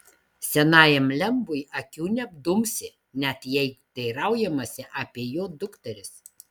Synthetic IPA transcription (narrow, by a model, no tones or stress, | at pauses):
sʲɛnɑːjɛmlʲɛmbʊjʔɐkʲuːnʲɛbd̪ʊmʲsʲɪ | nʲɛt̪jɛɪd̪̥ɐɪɾɐˑʊjɛmɐsʲɪʔɑːpʲeɛjoːd̪ʊkt̪ʲɐɾʲɪs